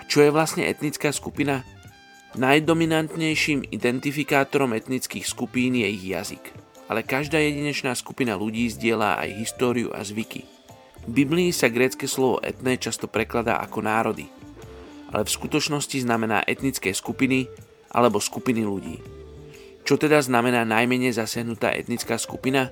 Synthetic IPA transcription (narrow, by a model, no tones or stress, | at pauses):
at͡ʃɔjɛʋlasɲɛ̰ʔɛ̰t̪nit͡skaːskupina | najd̪ɔminant̪ɲɛjʃiːmḭd̪ɛnt̪ifikaːt̪ɔɾɔmɛt̪nit͡skiːxskupiːnjɛiɣja̰zḭk | ʔalɛkaʒd̪aːjɛɟiɲɛt͡ʃnaːsku̥pinaluɟiːzɟɪɛla̰ːʔa̰jɦist̪ɔːɾijṵʔa̰zʋikḭ | vbibliːsaɡɾɛːt͡skɛslɔʋɔ̰ʔɛ̰t̪nɛːt͡ʃast̪ɔpɾɛklad̪a̰ːʔa̰kɔnaːɾɔd̪ḭ | ʔa̰lɛfskut̪ɔt͡ʃnɔsciznamɛna̰ːʔɛt̪nit͡skɛːskupini | ʔa̰lɛbɔskupiniluɟḭː | t͡ʃɔt̪ɛd̪aznamɛnaːnajmɛɲɛjzasɪaɦnut̪a̰ːʔɛ̰t̪nit͡skaːskupina